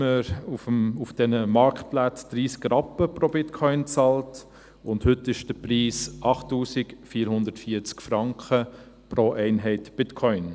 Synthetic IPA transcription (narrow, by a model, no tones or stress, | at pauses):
əɾufəmufd̥ɛnəmɑɾkt̚plat͡sd̪̥ɾiːskɾɑpəpɾobɪtkʰɔʏnt͡sɑlt | ʊndhʏtːɪʃd̥əpɾiːsʔɑχtːuːsɪkfiːɾhʊnd̪ətfiːəɾt͡skfɾɑŋkχə | pɾoʔɛɪnɦɛɪtb̥ɪtkʰɔʏn